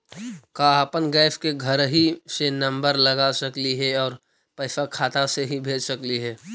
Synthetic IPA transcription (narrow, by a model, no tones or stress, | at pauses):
kaapənɡɛːfʰkeɡʱəɾɦisenə̃mbəɾləɡasəkliɦɛɔːɾ | pɐɪsakʰaːt̪aseɦibʱeːd͡ʒsəkliɦɛː